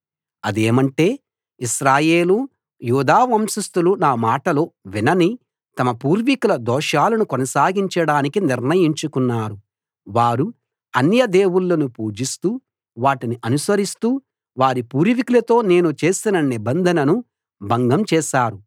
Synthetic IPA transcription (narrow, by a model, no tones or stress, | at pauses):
ɐd̪eːmɐɳʈe̞ː | iʃɾaːje̞ːlu | juːd̪aːʋɐmʃust̪ulunaːmaːʈɐloːʋinɐni | t̪ɐmɐpuːɾʋikulɐd̪ɔːʃaːlɐnukɔnɐsaːɡiɲt͡ʃɐɽaːnikiniɾnɐjiɲt͡ʃukunːaːɾu | ʋaːɾu | ɐnjɐd̪e̞ːwuɭːɐnupuːd͡ʒist̪uː | ʋaːʈiniʔɐnusɐɾist̪uː | ʋaːɾipuːɾʋikulɐt̪o̞ːne̞ːnut͡ʃe̞ːsinɐnibɐnd̪ʱɐnɐnu | bʱɐŋɡɐmt͡ʃɛːʃaːɾu